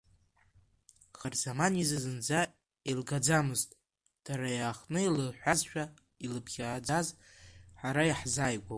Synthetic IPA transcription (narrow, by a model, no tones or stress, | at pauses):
χarzamanizɨzɨnd͡za | ilɡad͡zamɨztʼ | d̥aɾajaːχnɨilɨħʷᶣazʃʷᶣa | ilɨpʰχʲaːd͡zaz | ħaɾajiħzajɡʷo